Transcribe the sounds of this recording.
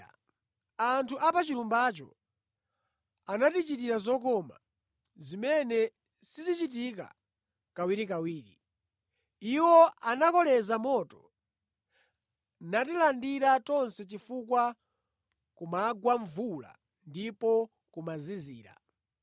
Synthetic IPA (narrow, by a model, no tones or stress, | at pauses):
antʰuʔapat͡ʃiɾumbat͡ʃɔ̰ | anatit͡ʃit̬iɾazɔkɔma̰ | zimɛnɛ | sizit͡ʃit̬ik̬a̰ | kawiɾikawiːɾḭ | iwɔanakɔlɛzamɔtɔ | natilandiɾatɔnsɛt͡ʃifukwa | kumaɡwaɱvula̰ | ndipɔ | kumaziziːɾa̰